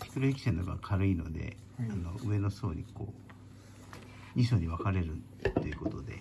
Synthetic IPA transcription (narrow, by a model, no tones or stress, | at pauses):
ɕi̥kɯɾoikʲi̥senoɡa̰kʰaɾɯ̟ino̞̰d̪e̞̰ | ano̞ʔɯ̟e̞no̞so̞ːɲ̟iko̰ː | ɲʲisoːɲ̟iβakaɾe̞ɾɯ̟ | t̪ːo̞jiɯ̟ko̞t̪o̞d̪e̞̰